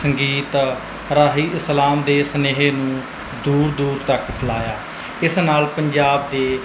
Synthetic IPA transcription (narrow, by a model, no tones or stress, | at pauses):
səŋɡiːt̪ | ɾaːɦiːʔɪslaːmd̪eːsəneːɦeːnũː | d̪uːɾd̪uːɾt̪əkpʰəlaːjaː | ɪsnaːlpəɲd͡ʒaːbd̪eː